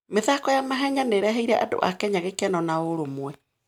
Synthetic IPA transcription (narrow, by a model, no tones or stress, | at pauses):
meðakɔjamaɦɛɲaneɾɛɦɛiɾɛʔado̰ʔa̰kɛɲaɣekɛnɔnaoɾomwɛ